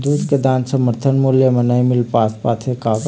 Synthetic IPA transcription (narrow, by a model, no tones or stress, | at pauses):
d̪ud̪ked̪aːnsəməɾt̪ʰənmuljəmənaimɪlpaːspaːt̪ʰekaɡ